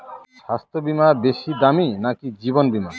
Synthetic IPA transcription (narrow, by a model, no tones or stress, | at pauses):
ʃast̪ʰobimabeʃid̪aminakid͡ʑibonbima